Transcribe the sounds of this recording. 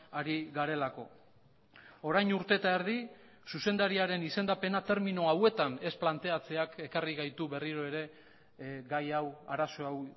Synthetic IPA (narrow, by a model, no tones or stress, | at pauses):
aɾiɣaɾe̞lako̞̰ | o̞ɾajnuɾt̪e̞t̪aeɾði | suse̞nd̪aɾiaɾe̞nise̞nd̪ape̞nat̪e̞ɾminoawe̞t̪ane̞splant̪e̞at͡se̞ake̞kariɣajt̪uβe̞riɾo̞eɾe̞ | ɡajawaɾaso̞aw